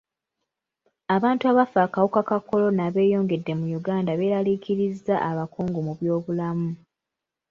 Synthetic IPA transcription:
aβaːntuaβafaːkawukakako̞lo̞naβe̞ːjo̞ːŋɡe̞dːe̞mujuɡaːndaβe̞ːɾalikʰiɾizːaʔaβakoːŋɡomuβjo̞ːβulamu

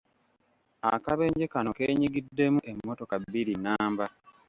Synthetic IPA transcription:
akaβe̞ːɲɟekano̞ke̞ːɲiɡidːe̞muʔe̞mːo̞to̞kaβiɾinaːmba

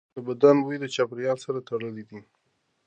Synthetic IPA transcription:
d̪əbad̪anwujd̪ət͡ʃapɾjɑlsaɾat̪aɽəlid̪i

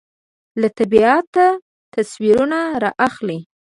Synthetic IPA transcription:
lat̪abiɑt̪ːa | t̪aswiɾunaɾɑʔaxli

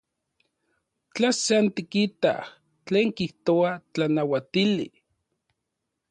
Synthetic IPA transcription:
t͡ɬaseant̪ikit̪a̰ | t͡ɬeːŋkiht̪oat͡ɬanawat̪ilḭ

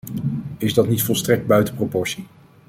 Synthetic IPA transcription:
ɪzdɑtnitfɔlˠstrɛk̚d̚bœɥtəpropɔɹsi

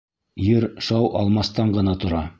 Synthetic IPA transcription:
jɘɾʃɑwʔɑ̰lˠmɑst̪ɑɴɢɤ̆nɑt̪ŏɾɑ

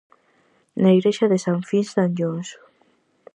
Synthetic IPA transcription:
naiɣɾeʃaðesaɱfinsd̪and͡ʒons

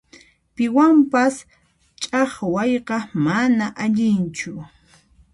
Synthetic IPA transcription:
pɪwampas | t͡ʃʼɑχwajqɑmanaʔaʎɪnt͡ʃʊ

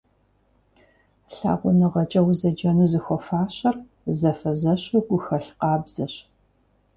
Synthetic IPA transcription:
ɬa̰ːʁʷʊnɨʁɐt͡ʃʼɐwzɐd͡ʒɐnuːzɨxʷɔfaːɕɐr | zɐfɐzɐɕuɡʷʊxɐɬqɑːbz̥ɐɕ

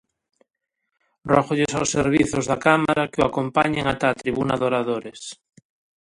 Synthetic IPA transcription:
rroxoʎesawsːeɾβ̞iθozðakamaɾakeoakompaɲeŋat̪at̪ɾiβunaðoɾaðoɾes

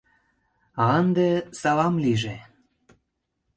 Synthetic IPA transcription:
ɑənd̪esɑlɑmliʒe

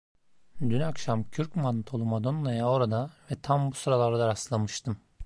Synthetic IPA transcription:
d̪ynakʃamcʰyɾcmant̪ʰo̞lˠumad̪o̞nlˠajao̞ɾad̪avɛt̪ʰambusuɾalˠaɾad̪aɾaslˠamɯʃt̪ʰɯm

